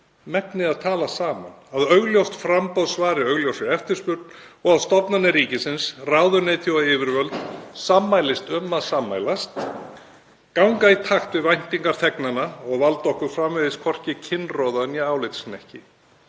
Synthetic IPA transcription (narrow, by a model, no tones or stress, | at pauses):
mɛpnɪðaðt̪ʰaːlasaːma̰naðœɣljowst̪fɾampɔwðsvaːɾɪœɣljowsɪɛft̪ɪɾ̥spʏɾt̪nɔɣaðst̪ɔpnanːɪɾiːcɪsɪnsraːwðʏnɪːt̪θʰjowaɪːvɪɾvœlt̪samːajlɪst̪ʏmːaðsamːa̰jlast̪ | kawŋkait̪ʰaxt̪vɪvajn̥t̪iŋkaɾ̥θɛknanːaɔɣvalt̪ɔhkʏɾ̥fɾamvɛðɪskʰvɔr̥cɪcʰɪnːrɔːðanjɛaːwlɪjt̪snɛhcɪ